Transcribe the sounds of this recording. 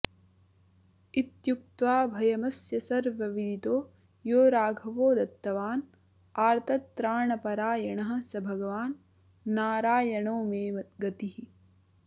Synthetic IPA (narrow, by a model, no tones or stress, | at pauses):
it̪juk̚t̪ʋaːbʱɐjɐmɐsjɐsɐɾʋɐʋid̪ʱit̪oː | joːɾaːɡʱɐʋoːd̪ɐt̪ːɐʋaːn | aːɾt̪ʰɐt̪ːɾaːɳɐpɐɾaːjɐɳɐɦɐ̆sɐbʱɐɡɐʋaːnː | aːɾaːjɐɳoːmeːʋɐt̪ɡɐt̪iɦi